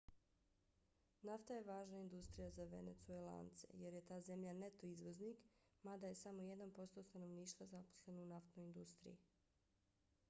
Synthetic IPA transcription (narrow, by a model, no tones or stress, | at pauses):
naft̪aje̞ʋaːʒnaind̪ust̪ɾijazaʋḛne̞t̪suela̰nt̪se̞̰je̞ɾje̞t̪aːze̞mʎanet̪o̞izʋo̞zniːk | mad̪aje̞samo̞jed̪anpo̞st̪o̞st̪ano̞ʋniːʃt̪ʋazapo̥sle̞nounaft̪no̞ind̪ust̪ɾḭji